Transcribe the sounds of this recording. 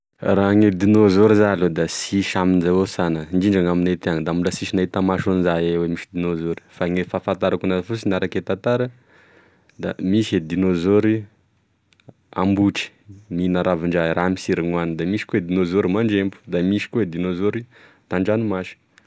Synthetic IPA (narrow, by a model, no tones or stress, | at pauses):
raŋed̪inozoɾizalod̪asiʃaminzawosanəɳɖ͡ʐiɳɖ͡ʐaŋaminet̪eaŋd̪amulasiʃinait̪amaʃonzaewemiʃid̪inozoɾi̥faŋefafant̪aɾakunaafusinaɾaket̪at̪aɾə | d̪amised̪inozoɾi | a̰mbuʈ͡ʂi̥ | minaɾaviɳɖ͡ʐaɾʔamisiɾiŋanid̪amisi̥koed̪inozoɾimaɳd͡ʒempu̥d̪amiʃi̥koed̪inozoɾi | t̪aɳɖ͡ʐanumaʃi̥